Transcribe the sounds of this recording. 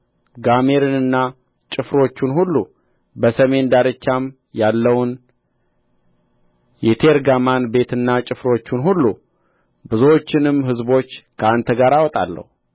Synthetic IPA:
ɡame̞ɾɨnɨnːa | t͡ʃʼɨfɾo̞t͡ʃːunhulːu | bəsəme̞nd̪aɾɨt͡ʃːam | jalːəwʊn | jɛt̪ʰe̞ɾɡamanbe̞t̪ɨnːat͡ʃʼɪfɾo̞t͡ʃːunɦulːu | bɨzot͡ʃːɪnɨmɦɨzbo̞t͡ʃːkʰəant̪ʰəɡaɾawɔt̪ʼa̰lːə̰hu

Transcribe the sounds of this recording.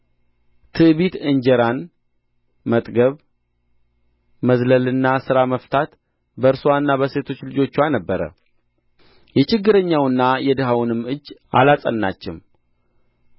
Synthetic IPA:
t̪ʰɨβit̪ɨɲd͡ʒɛɾan | mət̪ʼɡəβ | məzləlɨnːasɨɾaməft̪ʰat̪ | bəɨɾsuwanːabəse̞t̪ʰo̞t͡ʃːlɨd͡ʒo̞t͡ʃːwanəbːəɾə̰ | jɛt͡ʃɪɡːɨɾəɲːawɨnːajɛd̪ɨɦawnɨmːɨd͡ʒːʔa̰lasʼə̰nːa̰t͡ʃːɪm

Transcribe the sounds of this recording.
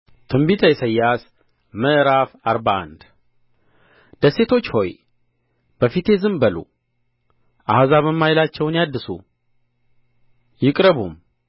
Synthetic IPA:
t̪ʰɨmbit̪ʰəjɛsəjːas | məʔɾafaɾbaʔa̰nd̪ | d̪̥əse̞t̪ʰo̞t͡ʃːho̞̰j | b̥əfit̪ʰe̞zɨmbəlṵ | ʔahazaβəmːajlat͡ʃːɛwnjad̪ːɨsṵ | jɪkʼɾəβum

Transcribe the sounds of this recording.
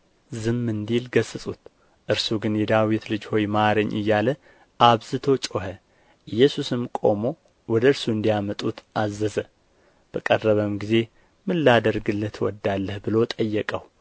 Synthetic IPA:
zɨmːɨnd̪ilɡəsɨsʼut̪ | ʔɨɾsuɡɨnjɛd̪awit̪lɨd͡ʒho̞jmaɾəɲːʔɨ̰jːalə | ʔaβzɨt̪ʰo̞t͡ʃʼoɦə | ʔɨjːɛsusɨmkʼo̞̰mo̞ | wɔd̪əɨɾsuɨnd̪ijamət̪ʼut̪azːəzə | b̥əkʼərːəβəmɡize̞ | mɨlːad̪əɾɡɨlːət̪ʰwɔ̰d̪ːalːəhbɨlo̞t̪ʼəjːɛkʼəh

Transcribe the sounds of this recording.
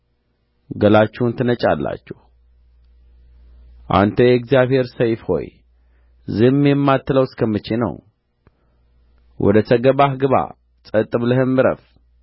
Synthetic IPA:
ɡəlat͡ʃːɛhnt̪ʰɨnət͡ʃʼalːa̰t͡ʃːɛh | ʔa̰nt̪ʰəjɛkzijaβhe̞ɾsəjfho̞̰j | zɨhmjɛmːat̪ːɨləwskʰəmːɨt͡ʃːenə̰w | wʔɔ̰d̪ət̪ʰəɡəβahɡɨβa̰ | t͡sʼət̪ʼːɨβləhɨmːɨɾə̰f

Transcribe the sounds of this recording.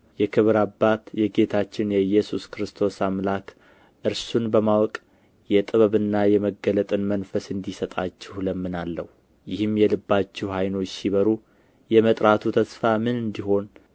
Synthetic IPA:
jɛkʰɨβɾabːat̪jɛɡe̞t̪ʰat͡ʃːɪnjɛjːɛsuskɾɨst̪ʰo̞samlak | ʔɨɾsunbəmawɔkʼ | jɛt̪ʼɨβəβɨnːajɛməɡːələt̪ʼɨnmənfəsɨnd̪isət̪ʼat͡ʃːɪhləmːɨnalːə̰h | jɪhɨmjɛlɨbːat͡ʃːɪhhajno̞t͡ʃːsiβəɾu | jɛmət̪ʼɾat̪ʰut̪ʰəsfamɨnɨnd̪iɦo̞n

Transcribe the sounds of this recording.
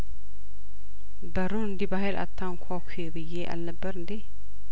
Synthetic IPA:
bəɾuɨnd̪ibaɦɛlʔa̰t̪ʰːaŋkʷʰakʰebɨjːeʔa̰lnəbːəɾɨnd̪i

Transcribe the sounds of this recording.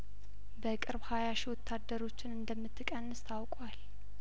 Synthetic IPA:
bəkʼɨɾbhajaʃiwɔt̪ʰːad̪əɾo̞t͡ʃːɪnɨnd̪əmːɨt̪ːɨkʼənːɨst̪ʰawkʼwal

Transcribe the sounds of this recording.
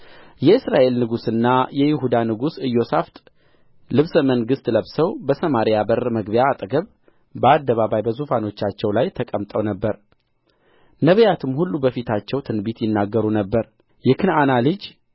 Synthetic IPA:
jɛɨsɾaʔe̞lnɨɡusɨnːajɛjɪhud̪anɨɡusɨjːo̞saft̪ʼ | lɨβsəməŋɡɨst̪ləβsəwbəsəmaɾijabəɾməɡbjaːt̪ʼɡəβ | bəad̪ːəβaβajbəzufano̞t͡ʃːat͡ʃːɛwlajt̪ʰəkʼəmt̪ʼəwnəbːəɾ | nəβəjat̪ʰɨmhulːubəfit̪ʰat͡ʃːɛwt̪ʰɨnbit̪jɪnːaɡːəɾunəbːəɾ | jɛkʰɨnanalɨd͡ʒ

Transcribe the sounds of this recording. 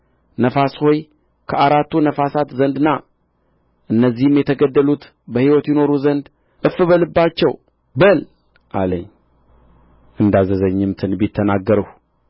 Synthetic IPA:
nəfasho̞j | kʰəaɾat̪ːunəfasat̪zənd̪ɨnːa | ʔɨnːəzːihɨmjɛt̪ʰəɡəd̪ːəlut̪ | bəhiwɔt̪jɪno̞ɾuzənd̪ | ʔɨfːɨβəlɨbːat͡ʃːɛw | bəl | ʔa̰lə̰ɲː | ʔɨnd̪azəzəɲːɨmt̪ʰɨnbɪt̪ʰːənaɡːəɾəh

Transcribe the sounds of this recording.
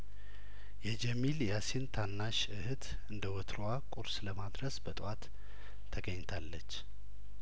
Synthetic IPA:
jɛd͡ʒɛmiljasint̪ʰanːaʃ | ɨhɨt̪ʰ | ɨnd̪əwɔt̪ʰɾowakʼuɾsləmad̪ɾəsbət̪ʼwat̪ʰː | əɡəɲːt̪ʰalːət͡ʃː

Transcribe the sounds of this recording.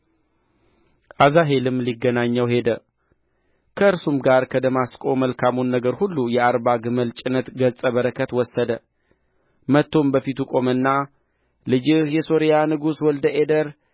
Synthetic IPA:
ʔazaɦe̞lɨmliɡːənaɲːəwhe̞d̪ə | kʰəɨɾsumɡaɾkʰəd̪əmaskʼo̞məlkʰamunːəɡəɾhulːujɛaɾbaɡɨməlt͡ʃʼɪnət̪ɡəlsʼəβəɾəkʰət̪wɔsːəd̪ə | mət̪ːo̞mbəfit̪ukʼo̞mɨnːa | lɨd͡ʒɨhjɛso̞ɾijanɨɡuswɔld̪əʔe̞d̪əɾ

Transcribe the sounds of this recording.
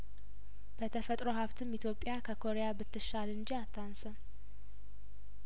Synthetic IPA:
b̥ət̪ʰəfət̪ʼɾo̞ɦaβt̪ʰɨmit̪ʰjo̞pʼːɪjakʰəkʰo̞ɾejabɨt̪ːɨʃalɨɲd͡ʒiat̪ʰːansə

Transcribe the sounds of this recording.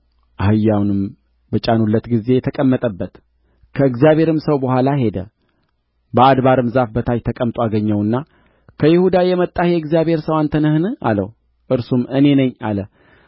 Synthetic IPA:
ʔahɨjːawnɨm | bət͡ʃʼanulːət̪ɡize̞jɛt̪ʰəkʼəmːət̪ʼəbːət̪ | kʰəɨɡzjaβʱhe̞ɾɨmsəwbəhʷalaɦe̞d̪ə̰ | bəad̪βaɾɨmzafbət̪ʰajt̪ʰəkʼəmt̪ʼoaɡəɲːəwɨnːa | kʰəjɪhud̪ajɛmət̪ʼːahjɛɨɡzijaβʱhe̞ɾsəwant̪ʰənəhnɨʔa̰lə̰w | ʔɨɾsumɨne̞nəɲːa̰lə

